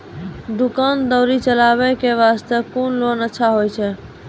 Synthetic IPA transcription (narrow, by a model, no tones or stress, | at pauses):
d̪ukand̪əwɾit͡ʃəlaβɛkeβast̪əkonlonətːʃʰaɦojt͡ʃʰɛ